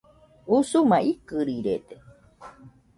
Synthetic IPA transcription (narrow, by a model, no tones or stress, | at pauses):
usumaikɨɾiɾet̪e̥